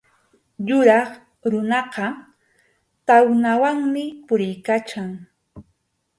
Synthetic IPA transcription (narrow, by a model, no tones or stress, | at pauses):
jʊɾɑχ | ɾʊnɑqɑ | t̪awnawaŋmɪpʊɾɪjkat͡ʃaŋ